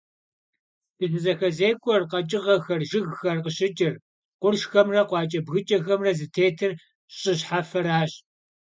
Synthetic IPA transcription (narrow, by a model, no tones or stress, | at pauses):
dɨɬɨzɐxɐzeːkʷʰʼɔrqɐt͡ʃʼɪʁɐxɐrʒɪɣxɐrqəɕʼɪt͡ʃʼɪr | qʷʊrʃxɐmrɐqʷɑːt͡ʃʼɐbɣɨt͡ʃʼɐxɐmrɐzɨtʰeːtʰɨr | ɕʼɪɕħafɐɾaːɕ